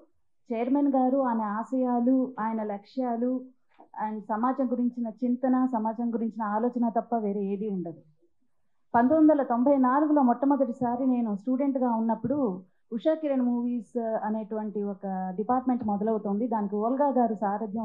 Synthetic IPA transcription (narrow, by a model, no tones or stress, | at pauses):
t͡ʃɛjɐɾmenɡaːɾuaːmeaːsɐjaːluaːjɐnɐlɐkʂjaːlu | anɐsɐmaːd͡ʒɐŋɡuɾiɲt͡ʃinɐt͡ʃint̪ɐnɐsɐmaːd͡ʒɐŋɡuɾiɲt͡ʃinɐaːlɔːt͡ʃɐnɐt̪ɐpːɐʋeːɾeːeːɽiuɳɖɐd̪i | pɐnt̪ond̪ɐlɐt̪o̞mbʱɐjnaːluɡulo̞ːmɔt̪ːɐmɐd̪ɐʈisaːɾine̞ːnusʈuːɖe̞ɳʈɡaːunːɐpːuɽu | uʂaːkiɾɐnmuːʋiːsɐneːʈuʋɐɳʈiɔkɐɖipaːɾʈme̞ɳʈmɔd̪ɐlɐwut̪oːnd̪id̪aːnikiɔːlɡaːɡaːɾusaːɾɐd̪ʱjɐ